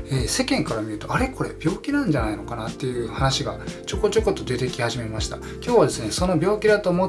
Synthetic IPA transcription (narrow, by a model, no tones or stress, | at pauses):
eːse̞kẽ̞ŋkaɾamʲiɾɯ̟t̪o̞aɾe̞ko̞ɾe̞̰b̥ʲo̞ːkʲinãɲ̟d͡ʑanaino̞kanat̪ːe̞jɯ̟ːhanaɕiɡat͡ɕo̞ko̞t͡ɕo̞ko̞t̪ːo̞d̪e̞t̪e̞kʲihaʑime̞maɕi̥t̪a̰ | kʲo̞ːβad̪e̞sɨne̞so̞no̞bʲo̞ːkʲid̪at̪o̞ːmo̞